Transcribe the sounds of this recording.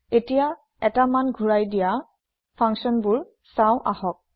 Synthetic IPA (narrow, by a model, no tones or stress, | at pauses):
etija | ɛtamanɡʱuɹajdija | pʰaŋksɔnbʊɹ | saʊ̃ʔahɔk̚